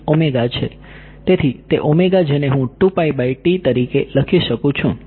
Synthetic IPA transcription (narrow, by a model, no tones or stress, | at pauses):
omeɡat͡ʃʰe | t̪et̪ʰit̪eʔomeɡad͡ʒeneɦũʈupaibaiʈit̪əɾikeləkʰiʃəkũt͡ʃʰũ